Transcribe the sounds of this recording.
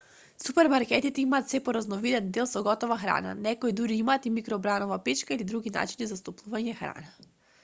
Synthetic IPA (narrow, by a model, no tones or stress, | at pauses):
supɛɾmaɾkɛt̪it̪ɛimaːt̪sɛpɔɾaznɔvid̪ɛnd̪ɛlˠsɔɡɔt̪ɔvaxɾa̰na̰nɛkoid̪uɾiimaːt̪imikɾɔbɾanɔvapɛt͡ʃkailid̪ɾuɡina̰t͡ʃinizast̪ɔplˠuvaɲɛxɾa̰na